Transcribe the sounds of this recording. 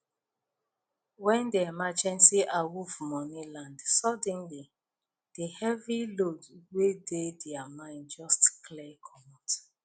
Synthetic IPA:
wɛ̃ndeɛmad͡ʒɛ̃nsiʔawuvmɔnilãndsɔdɛ̃nli | d̥ehɛvilodwededɛamãɪ̃ndd͡ʒɔstklɛkʰɔmɔt

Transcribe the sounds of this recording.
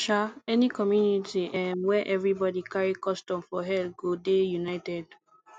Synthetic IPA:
ʃaɛnikɔmjunitiʔɛ̃nwɛʔɛvɹibɔdikaɹikɔstɔ̃mfɔɦɛlɡodejunaɪtɛd

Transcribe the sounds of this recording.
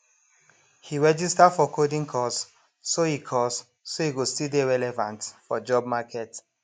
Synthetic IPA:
hiɹɛd͡ʒistafɔkʰodĩŋkʰɔsː | ohikʰɔs | soiɡostildeɹɛlɛvãntfɔd͡ʒɔb̚makʰɛt

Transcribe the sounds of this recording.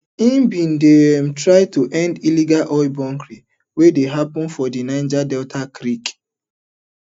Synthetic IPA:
ĩmbĩn̩dem̩tɾaɪtuʔɛ̃ndiliɡalʔɔɪbɔ̃ŋkɾi | wedeɦapɔ̃nfɔdinãɪ̃nd͡ʒadɛltʰakɾik

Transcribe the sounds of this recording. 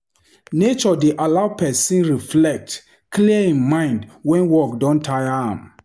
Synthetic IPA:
net͡ʃɔdeʔalaʊpʰɛsĩnɹiflɛk̚t | kliəĩnmãɪ̃ndwɛ̃nwɔkdɔ̃ntʰajã̰m

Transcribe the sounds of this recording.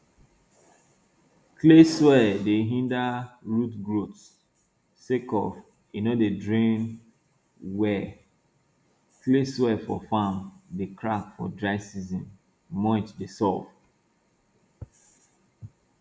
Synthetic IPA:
kleswɛdeɦĩndaɹutɡɹots | sekɔ̰f | inodedɹẽn | wɛ | kleswɛfɔfãmdekʰɹakfɔ̰dɹaɪsizĩmː | ɔ̃ɪ̃tdesɔf

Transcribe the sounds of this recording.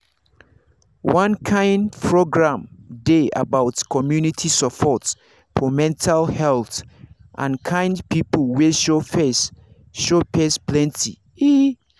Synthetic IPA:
wʌ̃nkʰãɪ̃ndpʰɹoɡɹãmdea̰baʊtkʰɔmjunitʰisɔpʰɔt | fʰɔmɛ̃ntʰalhɛlθ | ʔã̰nkʰãɪ̃ndpʰipəlweʃofes | ʃopesplɛ̃ntʰḭ | i

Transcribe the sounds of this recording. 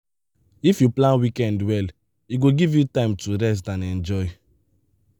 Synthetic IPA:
ifjuplãnwikɛ̃ndwɛl | iɡoɡivjutãɪ̃mtuɾɛs̬tãnɛ̃nd͡ʒɔɪ

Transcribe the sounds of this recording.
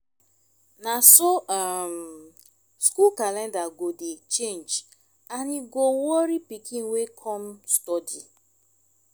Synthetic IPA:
nasoam | skulkalɛ̃ndaɡodet͡ʃend͡ʒ | aniɡowɔoɾipikin̩wekʰɔm̩stɔdi

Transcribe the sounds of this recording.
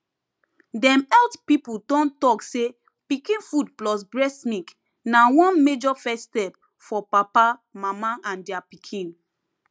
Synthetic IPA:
dɛ̃mɛltpipudɔ̃ntɔkse | pikĩnfud̚plɔs̬bɹɛsnik | nawɔ̃nmed͡ʒɔfɛstɛp̚ | fɔpapamamaʔãndiapikʰĩn

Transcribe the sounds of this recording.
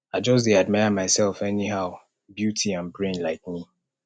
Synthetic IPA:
aɪd͡ʒɔs̬deadmaɪamaɪsɛlfɛniɦaʊ | bjutʰiãnbɹẽnlaɪk̚mi

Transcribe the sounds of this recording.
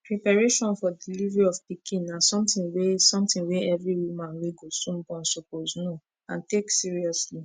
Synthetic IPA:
pɹipaɹeʃɔ̃nfɔdilivɹiɔvpikʰĩnːasɔ̃mtĩnwesɔ̃mtĩnweɛvɹiwumãnweɡosũnbɔ̃nsopozno | ãnteksiɹiɔsli

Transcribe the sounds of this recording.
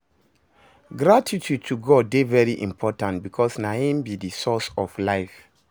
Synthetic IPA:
ɡɹatʰitʰud̚tʰuɡɔd̚bevɛɹiʔḭ̃mpʰɔtãntbikʰɔsnaĩmbidisɔsɔflaɪf

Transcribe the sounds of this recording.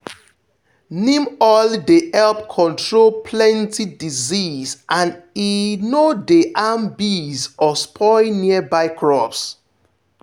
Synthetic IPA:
nĩmɔldehɛlp̚kʰɔ̃ntʰɹolpʰlɛ̃ntidizizʔãninodeʔãmbizɔspʰɔɪniəbaɪkʰɹɔfs

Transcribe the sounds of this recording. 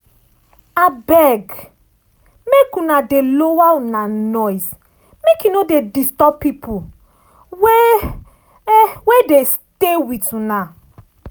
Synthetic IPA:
abɛɡ | mekunadelowaunanɔjs | mekunodedistɔpːipʰu | we | wedes | tewituna

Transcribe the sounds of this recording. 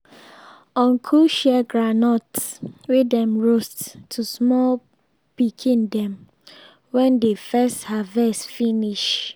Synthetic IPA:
ɔ̃nkʰuʃɛɡɹanɔtswedɛ̃mɹostːʰusmɔl | pikʰĩndɛ̃m | wɛ̃ndefɛsthavɛstfiniʃ

